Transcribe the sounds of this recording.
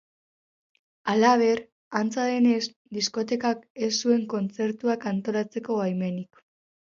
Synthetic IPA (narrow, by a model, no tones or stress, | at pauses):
alaβ̞e̞ɾ | ant͡saðe̞ne̞s | d̪isko̞t̪e̞kake̞sːue̞ŋko̞nt͡se̞ɾt̪uakant̪o̞ɾat͡se̞ko̞ajme̞nik